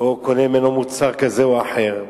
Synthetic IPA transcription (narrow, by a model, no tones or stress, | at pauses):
okonemenomut̪saʁkazewaħeʁ